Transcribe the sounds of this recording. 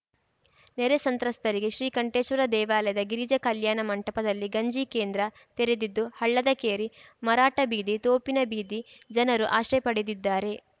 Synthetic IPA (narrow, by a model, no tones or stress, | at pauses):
neɾesɐnt̪ɾɐst̪ɐɾiɡeʃɾiːkɐɳʈeːʃʋɐɾɐd̪ɛːʋaːlɐjɐd̪ɐɡiɾid͡ʒɐkɐljaːnɐmɐɳʈɐpɐd̪ɐlːiɡɐɲd͡ʒikeːnd̪ɾɐ | t̪eɾed̪id̪ːuhɐɭːɐd̪ɐkeːɾimɐɾaːʈɐbiːd̪it̪oːpinɐbiːd̪id͡ʒɐnɐɾuʔaːʃɾɛpɐɽed̪id̪ːaːɾe̞